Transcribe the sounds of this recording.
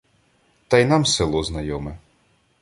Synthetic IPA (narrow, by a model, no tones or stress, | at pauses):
t̪ɑjnɑmsɪlˠɔznɐjɔmɛ